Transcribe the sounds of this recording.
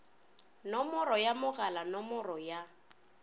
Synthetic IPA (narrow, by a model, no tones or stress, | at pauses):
nɔmɔrɔjamʊɣalanɔmɔrɔja